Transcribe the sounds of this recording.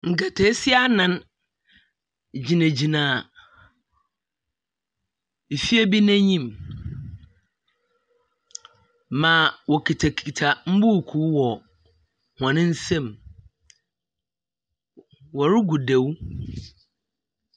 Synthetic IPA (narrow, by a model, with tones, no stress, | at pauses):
ŋ̩˨kɛ˨tʰɛ˦si˦a˦nã˨n | d͡ʑi˨næ̃˨d͡ʑi˨nãː˨ | fi˦æ˦bi˦næ̃˦ɲĩ˦˨m | mã˨wɔ˨kʰi˨tʰa˨kʰi˨tʰa˨m̩˦bu˦˨kʰu˦wɔ˨ | hã˨nɪ̃˦n̩˦sɛ̃˦˨m | wɔ˨ɾɪ˦ɡu˨de˨w